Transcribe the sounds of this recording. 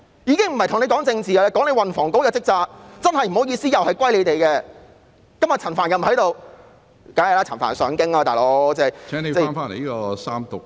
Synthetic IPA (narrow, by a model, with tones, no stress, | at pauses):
jiː˨˧kɪ˥ŋm̩˨˩hɐ˨jtʰʊ˨˩ŋne˧kɔː˨˥ŋt͡sɪ˧ŋt͡siː˨a˧ɛː˥kɔː˨˥ne˨˧jwɐ˨nfɔː˨˩ŋko˨˥wjɐ˨˧t͡sɪ˥k̚t͡saː˧k̚t͡sɐ˥nhɐ˨jm̩˨˩hwjiː˧siː˥jɐ˨˩whɐ˨jkʷwɐ˥jle˨˧jt̪e˨˩jkɛ˧ | kɐ˥mjɐ˨˩t͡sʰɐ˨˩nfaː˨˩njɐ˨˩m̩˨hɐ˨˥jt̪o˨˧w | kaː˨˥jɐ˨laː˥t͡sʰɐ˨˩nfa̰ː˨˩nsœː˨˧ŋkɪ˥ŋlaː˧t̪aː˨˩lo˨˧˥wt͡sɛː˥˩˨jʰɛː˨˥ŋne˨˧ɛ˥˧aː˥nfaː˥ne˨˩jiː˥ɔ˧saː˥mt̪ʊ˨k̚